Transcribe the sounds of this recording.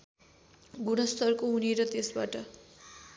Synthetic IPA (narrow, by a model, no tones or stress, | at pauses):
ɡunʌst̪ʌrkoɦuneɾʌt̪esbaʈʌ